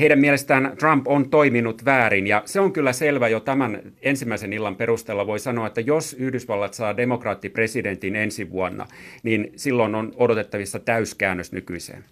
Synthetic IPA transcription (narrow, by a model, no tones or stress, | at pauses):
heiɾæmiɛlest̪æːnt̪rɑmpont̪oiminut̪ʋæːɾinjɑseoŋkylːæselʋæjot̪æmæn | ensimːæisenilːɑmperust̪eːlːɑʋoisɑnoɑet̪ːæjosyhdysʋɑlːɑt̪sɑːdemokrɑːt̪ːipresident̪inensiʋuɑnːɑ̰niːnsilːononodot̪et̪ːɑʋisːɑt̪æyskæːnːøsnykyisḛːn